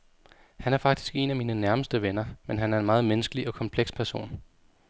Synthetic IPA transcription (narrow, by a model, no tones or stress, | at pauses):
hænæɐfɑ̈ɡ̥̚d̥i̥sɡ̥e̝̰ːnæmiːnənæɐməsd̥əʋenɐmenɦænæɐe̝nmɑ̈ːð̞̩ˠmenəsɡ̥əliɒ̽kʰɒ̽mpʰleɡ̥spʰæɐso̝̰ːn